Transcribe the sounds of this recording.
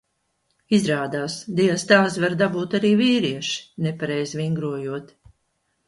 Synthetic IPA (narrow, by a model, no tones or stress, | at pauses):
izɾaːd̪aːsd̪iast̪aːsvaɾd̪abuːt̪aɾiːviːɾiɛʃi̥nepaɾɛjzviŋɡɾuɔjuɔt̪